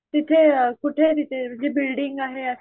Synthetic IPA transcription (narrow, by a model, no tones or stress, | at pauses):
t̪ɪt̪ʰːekʊʈʰːet̪ɪt̪ʰed͡ʒebɪlɖɪŋɡaːɦe